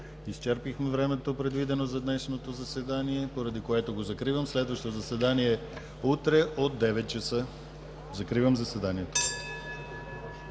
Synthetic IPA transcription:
ist͡ʃɛɾpixmɛvɾɛmɛt̪opɾɛd̪vid̪ɛnozɐd̪nɛʃnot̪ozɐsɛd̪aniɛpoɾɐd̪ikoɛt̪oɡozɐkɾivəmslɛd̪vəʃt̪ot̪ozɐsɛd̪aniɛ | ut̪ɾɛʔod̪ːɛvɛt̪̚t͡ʃɐsɤ | zɐkɾivəmzɐsvɛd̪aniɛt̪o̥

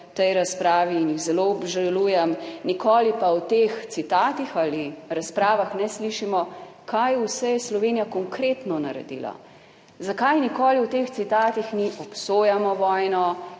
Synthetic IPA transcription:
t̪ɛjɾaspɾaːʋiːnjiɣzɛloɔbʒaluːjɛmnikoːlipawt̪ext̪sit̪aːt̪ixaliɾaspɾaːʋaxnɛsliʃimɔkajusɛjɛslɔʋeːnijakɔŋkɾeːt̪nɔnaɾɛ̰d̪ḭːla̰ | zakajnikoːliwt̪eːxt̪sit̪aːt̪ixniʔɔpsoːjamɔʋɔjnɔ

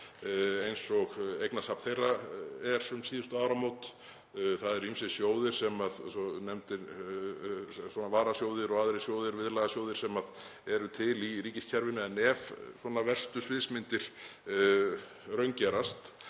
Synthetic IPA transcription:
ejnsɔɣejknasapnθejraɛɾʏmsiːðʏst̪ʏaːwɾamowt̪ | θaðɛɾimsɛsjoːwðɪɾ̥sɛmaðsɔnɛmt̪ɪɾ | swɔnavaːɾasjowðɪɾɔɣaðɾɪ̥sjoːwðɪɾvɪðlaɣasjoːwðɪɾ̥sɛmað | ɛɾʏt̪ʰɪliɾiːcɪscʰɛɾvɪnʏɛnɛvswɔːnavɛr̥st̪ʏsvɪðsmɪnt̪ɪɾ̥ | rœɥɲcɛɾast̪

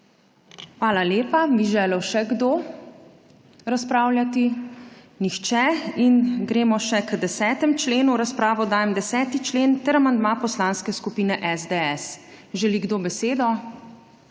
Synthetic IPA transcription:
xʋaːlaljeːpabiʒɛːləwʃɛɡd̪oː | ɾaspɾaːwljat̪i | nixt͡ʃɛinɡɾeːmɔʃɛkd̪ɛsɛːt̪ɛmt͡ʃleːnuɾaspɾaːʋɔd̪aːjɛmd̪ɛsɛːt̪it͡ʃleːnt̪ɛɾamand̪mapɔslanskɛskupiːnɛʔɛzd̪eɛs | ʒɛliɡd̪obɛseːd̪ɔ

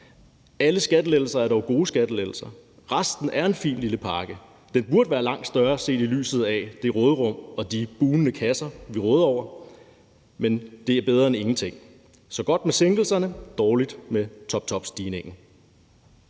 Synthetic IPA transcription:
æləsɡ̥æd̥əlel̩sɐæɐɾɒʊɡ̥o̝ːəsɡ̥æd̥əleɡl̩sɐ | ʁɑsd̥n̩ʔæɐe̝nfḭːmliləpʰɑ̈ːɡ̥ə | d̥enb̥uɐd̥əʋæːɐlɑ̈ŋ̰d̥sd̥ɶɐse̝̰ːd̥ily̰ːsð̞̩ˠɛd̥e̝ʁɔːð̞ˠəʁɔ̽m̰ɒ̽d̥ib̥uːnənəkʰæsɐʋiʁɔːð̞̩ˠɒʊ̰ɐ | mend̥e̝æɐb̥eð̞ˠʁɐːene̝ŋn̩t͡sʰe̝ŋ̰ | sɒ̽ɡ̥ɒ̽d̥̚meseŋɡ̥l̩sɐnəd̥ɒːlid̥met͡sʰɒ̽b̥̚t͡sʰɒ̽b̥sd̥iːne̝ŋ̰n̩

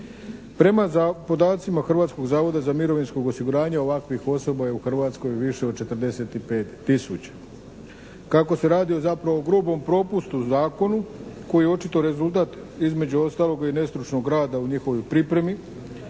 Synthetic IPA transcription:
pɾe̞mapo̞d̪aːt̪simaxr̩ʋaːt̪sko̞ɡzaːʋo̞d̪azamiɾo̞ʋinsko̞ɡosiɡuɾaːɲao̞ʋakʋixo̞so̞bajeuxr̩ʋaːt̪sko̞jʋiʃe̞od̪̚t͡ʃe̞t̪ɾd̪ese̞t̪ipeːt̪ːisut͡ɕḁ | kako̞se̞ɾaːd̪io̞zapɾaʋooɡɾubo̞mpɾo̞pust̪uzaːko̞nuko̞jijeo̞t͡ʃit̪o̞ɾe̞zulˠt̪̬aːt̪ | izme̞d͡ʑuo̞st̪aːlo̞ɡine̞st̪ɾut͡ʃno̞ɡɾaːd̪auɲixo̞ʋojpɾipɾe̞mi

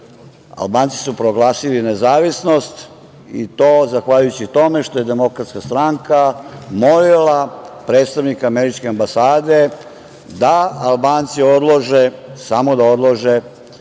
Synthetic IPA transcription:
a̰lˠbaːnt̪si̥supɾoɡlˠaːsilinezaːʋisno̞st̪ | ḭt̪o̞ːzaxʋaʎujut͡ɕit̪o̞me̞ʃt̪o̞je̞d̪emo̞kɾat̪skast̪ɾaŋkamolilapɾe̞ːt̪st̪aʋnikaːmeɾit͡ʃkeambasaːd̪e̞ | d̪aalbaːnt̪sio̞d̪lˠoʒesamo̞d̪ao̞d̪lˠoʒe

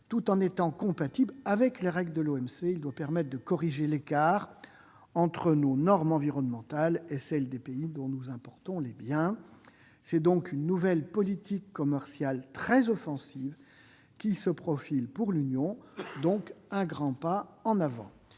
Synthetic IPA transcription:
t̪ut̪ɑ̃net̪ɑ̃kɔ̃pat̪iblavɛkleʁɛɡld̪əloɛmseild̪wapɛʁmɛt̪̚χd̪əkɔʁiʒelekaːʁ | ɑ̃t̪χənonɔʁmɑ̃viʁɔnmɑ̃t̪alesɛld̪epeid̪ɔ̃nuzɛ̃pɔʁt̪ɔ̃lebjɛ̃ | sɛd̪ɔ̃kynːuvɛlpɔlit̪ikːɔmɛʁsjalt̪χɛzɔfɑ̃siv | kʲisəpχɔfilpuʁlynjɔ̃d̪ɔ̃kɛ̃ɡʁɑ̃paɑ̃navɑ̰̃

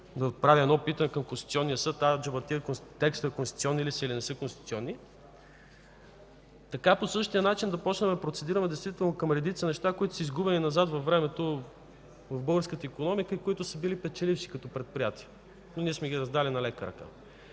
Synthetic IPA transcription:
d̪ɐot̪̚pɾavʲiɛd̪nɔpit̪ɐnɛkɐmkonst̪it̪siɔnːijəsɤt̪ːad͡ʒɐbɐt̪iəkonst̪ːɛkst̪ːkonst̪it̪iɔnːilisəilinɛsɤkonst̪i̥t̪siɔnːi | t̪ɐkaposɤʃt̪ijənat͡ʃind̪ɐpɔt͡ʃnɛmɛpɾot̪sɛd̪iɾəmɛd̪ɛjst̪vit̪ɛlˠnokɐmɾɛd̪it̪sənɛʃt̪akoit̪ʊ̥səizɡubɛninɐzat̪vɐfvːɾɛmɛt̪o | vɐvbɤɡəɾskət̪əikonɔmikəikoit̪ʊsəbilipɛt͡ʃɛlifʃi̥kɐt̪ɔpɾɛt̪̚pɾijat̪i̥ə | noniɛsmɛɡiɾɐzd̪alinɐlɛkəɾɐ̰ka̰

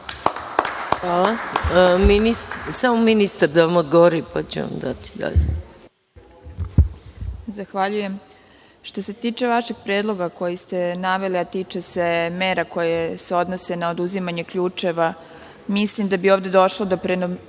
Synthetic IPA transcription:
xʋaːlˠaministsamominist̪aɾd̪aʋamod̪ɡoʋoɾipat͡ɕḛʋa̰md̪a̰t̪i̥d̪a̰ʎḛ | zaxʋaʎuje̞m | ʃt̪o̞se̞t̪iːt͡ʃe̞ʋaʃeɡ̚pɾeːd̪lˠo̞ɡako̞jist̪e̞naʋe̞liat̪iːt͡ʂe̞se̞me̞ːɾako̞jese̞o̞d̪no̞se̞naod̪uzimaɲe̞kʎuːt͡ʂe̞ʋa | mislimd̪abioːvd̪e̞d̪o̞ʃlod̪opɾeno

